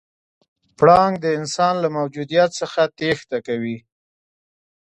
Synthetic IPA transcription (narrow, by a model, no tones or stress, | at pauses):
pɽɑŋɡd̪əɪnsɑnlamawd͡ʒud̪ijat̪səxat̪ext̪akawi